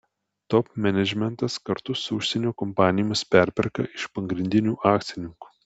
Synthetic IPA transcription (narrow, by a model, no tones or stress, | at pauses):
t̪ɔpʲmʲɛnʲɛd͡ʒʲmʲɛnt̪ɐskɐɾt̪ʊsʊʊʃʲsʲɛnʲuːkɔmpɑːnʲɪjmʲɪspʲæˑɾʲpʲɛɾkɐʔɪʃpɐɡɾʲɪnʲd̪ʲɪnʲuːʔɑːkt̪sʲɪnʲɪŋku̥ː